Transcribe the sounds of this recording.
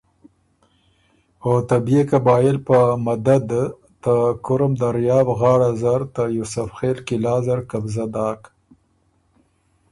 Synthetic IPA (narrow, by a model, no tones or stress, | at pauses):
ot̪abiekabɑːjɪlpəmad̪ad̪ | t̪akʊɾamd̪aɾjɑːfɣɑːɽazaɾt̪ajusʊfxelkɪlɑːzaɾkabzad̪ɑːk